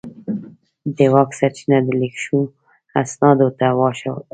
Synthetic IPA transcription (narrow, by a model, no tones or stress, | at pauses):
d̪ewɑksaɾt͡ʃinad̪əlekʃu | asnɑd̪ot̪awɑʃaw